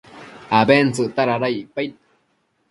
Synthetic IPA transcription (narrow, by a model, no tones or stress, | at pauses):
abent͡sɨʔt̪aɾaɾajpajt̪̚